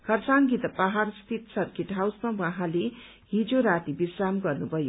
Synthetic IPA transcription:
kʰʌrsaŋɡit̪paɦarst̪ʰit̪sʌrkeʈɦawsmawãɦãle | ɦid͡zoɾat̪ibisramɡʌrnubʱʌjo

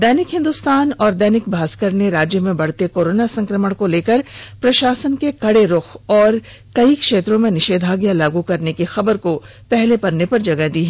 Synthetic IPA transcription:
d̪ɛːnɪkɦɪ̃nd̪ʊst̪aːnɔːɾd̪ɛːnɪk̚bʱaːskəɾneɾaːd͡ʒjəmẽbɐɽ̤t̪ekoːɾoːnasɐ̃ŋkɾəməɽ̃koleːkəɾpɾɐʃaːsənkekɐɽeɾʊxʰɔːɾ | kɐikʃeːt̪ɾõmẽnɪʃeːd̪ʱaːɡjalaːɡukɐɾnekixɐbəɾko | pɛɦlepɐɾnːepɐɾd͡ʒɐɡəd̪iːɦɛ

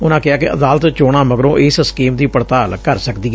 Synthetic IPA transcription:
ʊnãːkɪaːkɪʔə̰d̪aːlət̪t͡ʃoːɽ̃aːməɡɾõːʔɪsskiːmd̪iːpəɾt̪aːlkəɾsəkd̪iːɡɛ

